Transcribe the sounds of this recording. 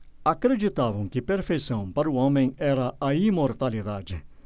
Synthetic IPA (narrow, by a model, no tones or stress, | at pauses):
akɾed͡ʒit̪avɐ̃w̃kɪpeɾfejsɐ̃w̃paɾuɔ̃mẽj̃ɛɾɐɐimoɾt̪alid̪ad͡ʒɪ